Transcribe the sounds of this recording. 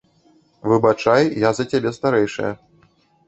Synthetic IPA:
vɨbat͡ʂajjazɐt͡sʲabʲɛst̪aɾɛjʂɐ̰jɐ

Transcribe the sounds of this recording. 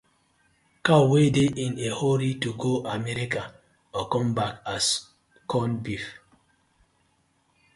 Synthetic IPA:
kawedeʔĩnehɔɾituɡoʔamɛɾika | ɔkɔ̃mbakas | kʰɔnbif

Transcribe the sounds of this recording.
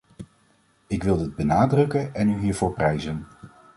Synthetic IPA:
ɪkʋɪlˠdɪd̚bənaːdrɵkənɛnyɦiːɹvʊːɹprɛjzən

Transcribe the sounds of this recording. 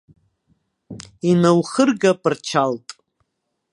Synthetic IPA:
inawχərɡapʼɨrt͡ʃʰaltʼ

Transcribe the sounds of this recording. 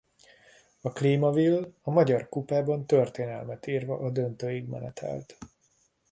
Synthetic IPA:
ɒkliːmɒvilːɒmɒɟɒrkupaːbɒnt̪ørt̪eːnɛlmɛt̪iːrvɒʔɒd̪ønt̪øːjiɡmɛ̰nɛ̰t̪ʰɛ̰lt̪

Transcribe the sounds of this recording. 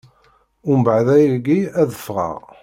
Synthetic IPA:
ʊmbʕðæjiɡiæðəfʁə̰ʁ

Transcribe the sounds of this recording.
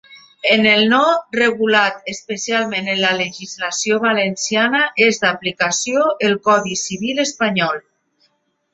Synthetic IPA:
enelnɔreɣulat̪espesialˠmẽnənlaleʒizlasijoβalensianaʔezd̪aplikasjoelkɔðisiβ̞iləspaɲɔlˠ

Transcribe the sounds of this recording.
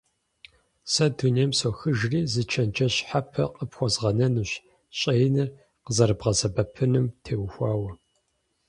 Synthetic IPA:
sɐduneːmsoxɨʒriːzɨt͡ʃʰɐnt͡ʃɐɕħapʰɐ̰qʼəpxʷɔzʁɐnɐnuɕ | ɕʼejnɨr | qəzɐɾɨbʁɐzɐbɐpʰɨnɨmtʰeːwxʷɑːwɐ

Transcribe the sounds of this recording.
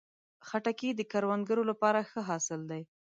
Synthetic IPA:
xaʈakid̪əkaɾwand̪̚ɡəɾolapɑɾaxəɦɑsɪld̪aj

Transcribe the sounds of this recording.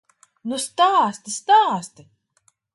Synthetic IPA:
nust̪aːst̪ist̪aːst̪i

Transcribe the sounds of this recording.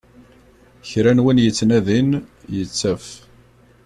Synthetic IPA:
çɾænwinjət͡sːnæðinjət͡sːæf

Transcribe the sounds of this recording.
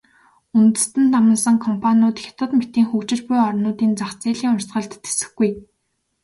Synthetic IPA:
unt̪ɘ̆st̪ɘ̆nt̪ʰːamə̆nsə̆ŋkʰɔmpʰanʲʊːt̪xʲḁt̪ʰə̆t̪met̪iːŋxukt͡ɕɪ̆rpʊjɔrnʊːt̪iːnt͡saχt͡siːɮiːŋʊrsɢə̆ɮt̪ːe̥sɘ̥̆xɡuj

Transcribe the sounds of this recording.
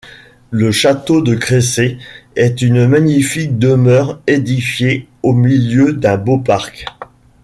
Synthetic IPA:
ləʃat̪od̪əkχeseɛt̪ynmaɲifik̚d̪əmœʁed̪ifjeomiljød̪ɛ̃bopaʁk

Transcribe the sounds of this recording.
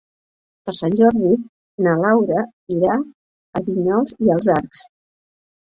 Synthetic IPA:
pəɾsanʲʒɔɾði | nəlawɾə | iɾa | əβiɲɔlˠziəlˠzaɾks

